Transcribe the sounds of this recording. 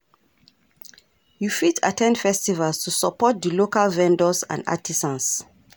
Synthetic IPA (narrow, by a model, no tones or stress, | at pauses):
jufita̰tʰɛ̃ndfɛstivalstʰusɔpɔt̚d̪əlokalvɛ̃ndɔsã̰na̰tisãns